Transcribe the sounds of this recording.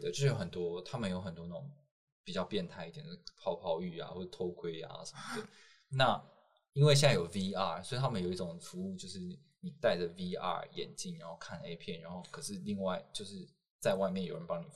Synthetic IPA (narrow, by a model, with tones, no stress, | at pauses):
ə˩t͡ɕj̩˥˧˥jo˥ə˨˩nt̪wɔ˥t̪ʰa˥mə˨njo˧˥ʊxə˨˩nt̪wɔ˥nə˥˩ʊ˨˩ŋ | pi˨˩t͡ɕjɑ˥˧ʊpjɛ˥˧nt̪ʰa˥˧ɪi˥˩jɛ˨˩no˥pʰɑ˥˧ʊpʰɑ˥˧ʊy˥˩a̰˨xwɔ˥˩˥t̪ʰo˥ʊkʰwe˥ɪa̰˧ʂə̥˨˩mə˩d̪ə˩ | na˥˩ | i˥nwe˥˧ɕ̬jɛ˥˧nt͡sa˥˩jo˨˩ʊvi˥a̰˥˧˩so˧˥i˨˩t̪ʰa˥mə˨jo˨˩ʊi˥ʈ͡ʂʊ˨˩ŋfu˧˥u˥˧t͡ɕjo˥˧ʊʂɻ̩˥˩ | ni˨˩t̪a˥˩ɪd͡ʒə˩vi˧˥a̰˥˩jɛ̰˨˩nt͡ɕi˥˩nɻa˧˥nxo˥˧ʊkʰa˥˩nḛ˥ɪpʰjɛ˥˩nɻa˧˥nxo˥˩ʊkʰɤ˨˩ʂɻ̩˥˧li˥˧ŋwa˥˧ɪt͡ɕjo˥˧ʊʂɻ̩˥˧ | t͡sa˥˧ɪwa˥˧ɪmjɛ˥˩jo˨˩ʊɻə˦˥pɑ˥ŋni˨˩